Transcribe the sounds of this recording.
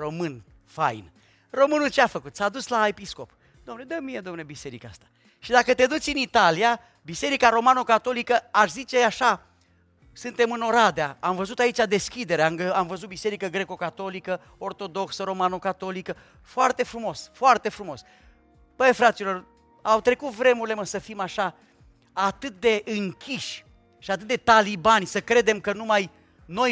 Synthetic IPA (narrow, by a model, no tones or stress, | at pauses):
ro̞mɨn | fa̰jn | ro̞mɨnult͡ʃeafəkut̪sad̪uslae̞pisko̞p | d̪omned̪əmie̞d̪oamnlebise̞ɾikaa̰st̪ḁ | ʃid̪akət̪e̞d̪ut̪sʲɨnit̪alija | bise̞ɾikaɾo̞manokat̪o̞likəaʃzit͡ʃe̞aʃa | sɨnt̪e̞mɨno̞ɾad̪eaamvəzut̪ait͡ʃʲad̪e̞skʲid̪e̞ɾeamɡəamvəzut̪̚bise̞ɾikəɡɾe̞ko̞kat̪o̞likə | o̞rt̪o̞d̪o̞ksəɾo̞manokat̪o̞likə | foart̪e̞fɾumo̞sfoart̪e̞fɾumo̞s | pəjfɾat̪silo̞r | awt̪ɾe̞kut̪vɾe̞muɾile̞məsəfimaʃa | at̪ɨt̪̚d̪e̞ʔɨŋkʲʰiʃʲ | ʃiat̪ɨt̪̚d̪et̪alibanʲsəkɾe̞d̪e̞mkənumaj | no̞j